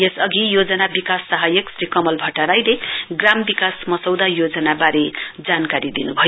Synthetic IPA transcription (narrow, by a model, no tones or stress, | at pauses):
jesʌɡijod͡zʌnabikasːaɦʌjʌksɾikʌmʌlbʱʌʈaɾajleɡrambikasmʌsʌwd̪ajod͡zʌnabaɾed͡zankaɾid̪inubʱʌj